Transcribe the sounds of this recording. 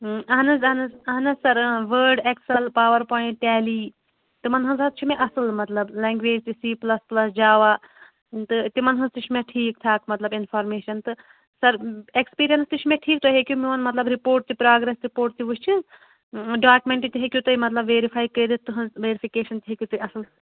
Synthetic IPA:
ɐɦnɐzɐɦnɐzɐɦnɐzsɐɾʋəːɾɖeksɐlpaːʋɐɾpõːʈʈɛːliː | t̪ɨmɐnɦɐnzɐt̪t͡ʃʰimẽʔɐsɨlmɐt̪lɐblɛ̃ːŋɡʋeːd͡ʒt̪isiːplɐsplɐsd͡ʒaːʋaː | t̪ɨt̪imɐnɦɐnzt̪it͡ʃʰimẽʈʰiːkt̪ʰaːkmɐt̪lɐbinfʰaːɾmeːʃɐnt̪ɨ | sɐɾekspiːɾijɐnst̪ɨt͡ʃʰmẽʈʰiːk̚t̪ʰoɦekjumiɐnmɐt̪lɐbɾipoːɾʈ̚t̪ipɾaːɡɾesɾipoːɾʈ̚t̪iʋuʃt͡ʃʰiz | ɖaːkmẽɳʈit̪iɦekʲjut̪ɨimɐt̪lɐbʋeːɾifʰaːjkəjd̪it̪ːɨɦɐ̃nzʋeːɾipʰikeːʃɐnt̪iɦekʲjut̪ɐiɐsɨl

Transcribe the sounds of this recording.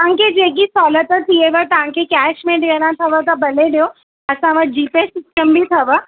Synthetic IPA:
ãŋkʰed͡ʒeːkisɔːlət̪ət̪ʰieʋət̪ɐʋ̤ãŋkʰekɛːʃmẽʈɡəɾãt̪ʰɐʋət̪ɐbɐleɖijo | ɐsãʋət̪̚ʰd͡ʒiːpesɪsʈəmbʱit̪ʰɐʋə

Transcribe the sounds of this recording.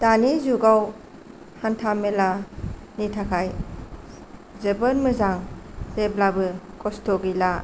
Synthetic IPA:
danizuɡaw | hantʰamelanitʰakʰaj | zɯbənmɯzaŋzeblabɯkɔstʰɔɡila

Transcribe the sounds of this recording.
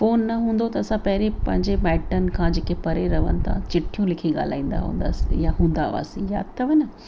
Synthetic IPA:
foːnːɐɦũːn̆d̪ot̪ɐɐsãpɐɦɾipɐ̃ɦɪ̃ɲd͡ʑebɛːʈənɪ̆kʰãd͡ʑeːkepɐɾeɾɐʋə̰nɪ̆t̪ʰã̰t͡ɕɪʈʰːijũlɪkʰiɠa̰ːl̤a̰ːĩːn̆d̪a̰ɦṵ̃ːn̆d̪a̰ːsḭjaɦũːn̆d̪a̰ʋa̰ːsḭ̃ja̰ːd̪̚t̪ʰɐʋɐnɐ

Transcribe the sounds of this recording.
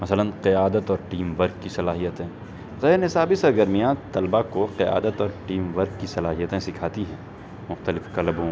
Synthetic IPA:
mɐsələnqɪjaːd̪ət̪ɔːɾʈiːmʋəɾɡ̚kisɐlaːɦijət̪ẽː | zɐnɪsaːbisɐɾɡəɾmijãt̪ɐlbakoqɪja̰ːd̪ət̪ɔːɾʈiːmʋəɾɡkisɐlaːɦijət̪ẽsɪkʰaːt̪iɦɛ̃ː | mʊxt̪əlɪfqɐlbõ

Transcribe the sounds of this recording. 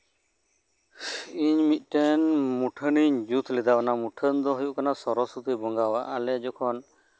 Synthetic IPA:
iɲmit̪̚ˀʈɛnmuʈʰəniɲd͡ʒut̪ʰlɛd̪awanamuʈʰənd̪ɔɦujuʔkanasɔɾɔsɾut̪ʰibɔŋɡawaʔalɛd͡ʒɔkʰɔn

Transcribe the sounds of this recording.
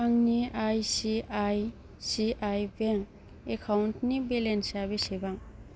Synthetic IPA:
aŋniajsiaj | siʔajbeŋ | ekʰawntnibelensabisibaŋ

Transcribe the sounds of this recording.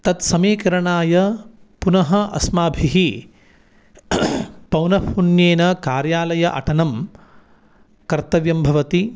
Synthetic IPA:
t̪ɐt̪sɐmiːkɐɾɐɳaːjɐpunɐɦɐʔɐ̰smaːbʱiɦi | pɐwnɐpʰunjeːnɐkaːɾjaːlɐjɐʔɐ̰ʈɐnɐm | kɐɾt̪ɐʋjɐmbʱɐʋɐt̪i

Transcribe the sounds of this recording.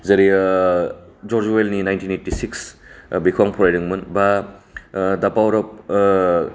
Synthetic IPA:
zɐɾi | d͡ʒɔɾd͡ʒuwelninajntʰinejtisiksbikʰwaŋpʰɔɾajɾɯŋmɯnba | dapawɾɔp̚

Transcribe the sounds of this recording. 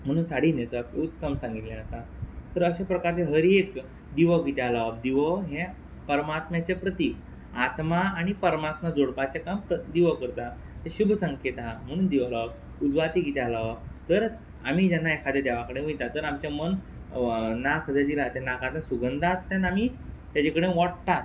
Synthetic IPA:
m̤əɽ̃uːnsaɽ̤iːnesəkut̪ːəmsãŋɡit̪ljãəsa | t̪əɾəɕapɾəkaɾt͡ɕeɦəɾiek | d̪iʋəɡit̪alaʋkd̪iʋəɦẽ | pəɾmat̪mat͡ɕepɾət̪i | at̪maːɽ̃ipəɾmat̪mad͡zoɽpat͡ɕekampəd̪iʋəkəɾt̪a | t̪ẽɕubʱsə̃ŋket̪ɦãm̤əɽ̃und̪iʋla | ud͡zʋat̪iɡit̪alaʋt̪əɾ | a̰m̤id͡ʑanːaekʰad̪ad̪aʋakəɽeʋijt̪at̪əɾamt͡ɕamən | nakʰd͡zəd̪ilat̪ɛ̃nakʰãt̪ãsuɡənd̪ʱat̪t̪ːɛ̃namit̪jad͡ʑekəɽeʋɔʈ̚t̪a

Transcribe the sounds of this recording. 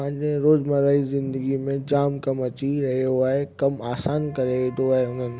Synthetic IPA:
ɦɪ̃ɲd͡ʑeɾoːzmɐɾaːizɪ̃nd̪əɡimẽd͡ʑaːmkɐmɐt͡ɕiɾɐɦijoaːɦekɐmaːsaːnkɐɾed̪oaːɦeʊn̤ənɪ̆

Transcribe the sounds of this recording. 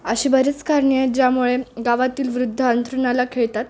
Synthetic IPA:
əɕiːbəɾet͡skaɾɳied͡ʑjamuɭeɡaʋat̪iːlʋɾud̪ʱːəənt̪ɾunalakʰeɭt̪at̪

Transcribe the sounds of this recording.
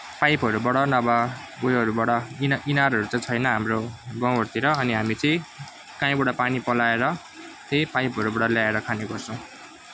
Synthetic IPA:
pajpʌɾubʌɽʌnʌbabojɦʌɾubʌɽʌninaɾɦʌɾut͡saĩt͡sʰʌjnʌɦamrobʌ̃ʌrt̪iɾʌʌniɦamit͡sʌĩ | kãĩbʌɽʌpanipʌlaeɾʌ | t̪epajpɦʌɾubʌɽʌljaeɾʌkʰaneɡʌrt͡sʰʌw̃

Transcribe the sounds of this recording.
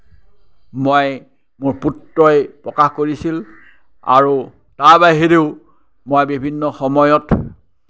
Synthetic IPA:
moj | mʊɹputːɔjpɹɔkaxkoɹisil | a̰ɹu | taɹbaɦeɾeʊ | mojbibʱinːɔxɔmɔjɔt

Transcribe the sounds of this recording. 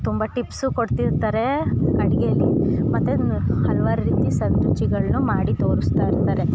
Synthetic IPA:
t̪umbɐʈipsukoɽt̪iɾt̪aːɾe̞ɐɽiɡeɐlːimɐt̪ːehɐluʋaːɾɾiːt̪isɐnt̪ut͡ʃiɡɐɭnumaːɽit̪o̞ːɾust̪aːiɾt̪aːɾe̞

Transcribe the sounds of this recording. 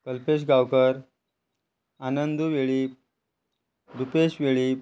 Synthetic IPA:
kəlpeɕ̬ɡawkəɾ | anənd̪uʋeɭi | ɾupeɕʋeɭi

